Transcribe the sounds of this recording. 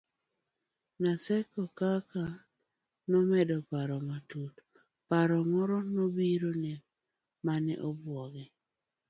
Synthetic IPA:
nasɛkɔkaka | nɔmɛdɔpaɾɔmatut | paɾɔŋɔɾɔnobiɾonɛ | manɛ̰ʔɔbwɔɡɪ

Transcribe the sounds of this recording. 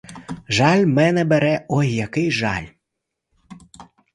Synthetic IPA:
ʒɑlʲmɛnɛbɛɾɛɔjjakɪjʒɑ̰lʲ

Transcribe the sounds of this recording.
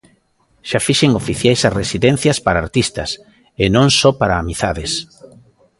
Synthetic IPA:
ʃafiʃeŋofiθjajsaresiðɛ̃n̟θjɐspaɾaːɾt̪ist̪ɐs | enõŋsɔpaɾaːmiθaðɪs

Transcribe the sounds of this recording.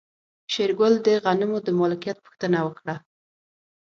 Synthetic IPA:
ʃeɾɡʊld̪əɣanɪmod̪əmɑlɪkijat̪̚pu̥xt̪ənawəkɽa

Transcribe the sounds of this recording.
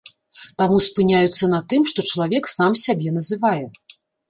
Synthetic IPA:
t̪amuspɨnʲajut̪sːɐnɐt̪ɨmʂt̪ɔt͡ʂɐlˠavʲɛksamsʲabʲɛn̪ɐzɨvajɛ

